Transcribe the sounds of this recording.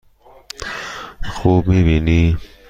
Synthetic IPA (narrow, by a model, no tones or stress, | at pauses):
xuːbmibini